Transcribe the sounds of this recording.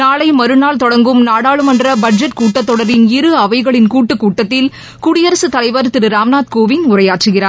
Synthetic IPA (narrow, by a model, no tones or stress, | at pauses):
naːɭɐɪmɐɾɯnaːlt̪ɔɽɐŋɡɯmnaːɽaːɭɯmɐndrɐbɐɖ̚d͡ʒɐʈkuːʈːɐt̪ːɔɽɐɾɪnɪɾɯɐʋɐɪɣɐɭɪnkuːʈːɯkːuːʈːɐt̪ːɪl | kʊɽɪjɐɾɐsɯt̪ɐlɐɪʋɐɾt̪ɪɾɯɾaːmnaːt̪koːʋɪnʊrɐjaːʈrɯɣɪraːɾ